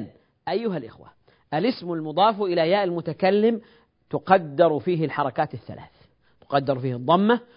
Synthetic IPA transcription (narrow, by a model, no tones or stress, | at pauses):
n | ʔajːʊɦalʔɪ̰xwa̰ | ʔalɪsmʊlmʊd̪ˤɑːfʔɪlajaːʔɪlmʊt̪akalːɪm | t̪ʊqɑd̪ːɪɾˤfiːɦɪlħɑɾˤɑkaːt̪ɪθːa̰lʔa̰ːθ | t̪ʊ̥qɑd̪ːɑɾˤfiːhɨd̪ˤːɑmːa